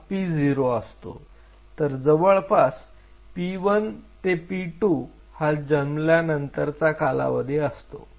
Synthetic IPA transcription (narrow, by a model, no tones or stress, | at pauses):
pid͡ziɾoəst̪o̰ | t̪əɾd͡zəʋəɭpas | piʋənt̪epiʈu | had͡ʑəmljanənt̪əɾt͡sakala̰ʋəd̪ʱjeəst̪o̰